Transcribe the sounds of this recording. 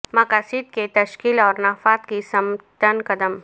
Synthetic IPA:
mɐkaːsid̪ket̪ɐʃkiːlɔːɾnaːfaːt̪kisɐmt̪ənkɐd̪əm

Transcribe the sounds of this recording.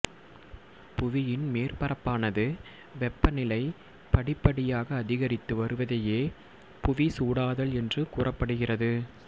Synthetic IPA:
pʊʋɪjɪnmeːrpɐrɐpːaːnɐðɯ | ʋɛpːɐnɪlɐɪ | pɐɽɪpːɐɽɪjaːɣɐːðɪɣɐɾɪt̪ːɯʋɐɾɯʋɐðɐjeː | pʊʋisuːɽaːðɐlɛndrɯkuːrɐpːɐɽɯɣɪrɐðɯ

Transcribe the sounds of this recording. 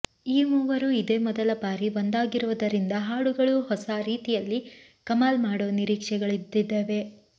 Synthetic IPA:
iːmuːʋɐɾuid̪eːmɔd̪ɐlɐbaːɾiʋond̪aːɡiɾuʋɐd̪ɐɾind̪ɐɦaːɽuɡɐɭuhɔsaɾiːt̪ijɐlːi | kɐmaːlmaːɽoːniɾiːkʂɛɡɐɭid̪ːid̪ːeːʋe̞

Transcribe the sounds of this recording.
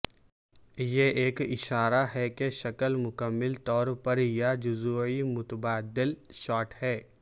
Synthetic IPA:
jeʔeːkɪʃaːɾaɦɛkeʃɐkəlmʊkəmːɪlt̪ɔːɾpɐɾjad͡ʒʊzuːimʊt̪əbaːd̪ɪlʃaːʈhɛː

